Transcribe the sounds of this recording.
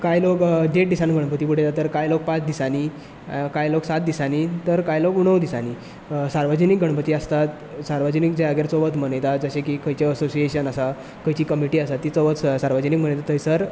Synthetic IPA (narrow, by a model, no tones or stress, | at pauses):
kajloɡdeʈ̚d̪isanɡʱəɽ̃pət̪iːp̬uɽ̤ejt̪at̪əɾkajloɡ̚pãt͡sd̪isani | kajloɡsat̪̚d̪isanit̪əɾkajloɡuɳ̃ːəʋd̪isani | saɾʋəd͡ʑənik̚ɡʱəɽ̃pət̪iəst̪at̪ | saɾʋəd͡ʑənikd͡ʑaaɡeɾt͡soʋət̪m̤ənəjt̪ad͡zəɕekikəjt͡ɕeəsosieɕənəsa | kəjt͡ɕiːkəmiʈiːəsat̪ːit͡soʋət͡ssaɾʋəd͡ʑənikm̤əɳəjt̪at̪əjsəɾ